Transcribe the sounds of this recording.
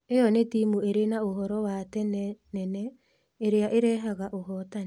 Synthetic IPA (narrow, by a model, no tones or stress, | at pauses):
ejɔnetimueɾenaoɦɔɾɔwatɛnɛnɛnɛ | eɾeaʔeɾɛɦaɣaʔoɦɔtan